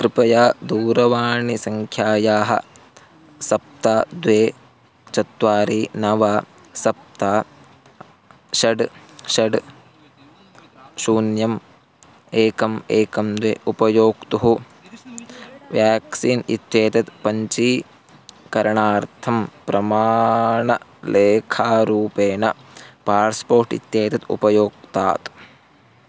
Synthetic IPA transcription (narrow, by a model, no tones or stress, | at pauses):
kɾɪpɐjaːd̪uːɾɐʋaːɳisɐŋkʰjaːjaːɦɐ̰ | sɐp̚t̪aːd̪ʋeː | t͡ʃɐt̪ʋaːɾiːnɐʋaː | sɐp̚t̪aː | ʃɐɖʃɐɖ | ʃuːnjɐm | eːkɐmeːkɐmd̪eːupɐjoːkt̪uɦu | ʋjaːksiːnḭt̪jeːt̪ɐt̪pɐɲt͡ʃiː | kɐɾɐɳaːɾt̪ʰɐmpɾɐmaːɳɐleːkʰaːɾuːpeːnɐpaːɾspoːɾʈḭt̪jeːt̪ɐt̪ṵpɐjoːk̚t̪a̰ːt̪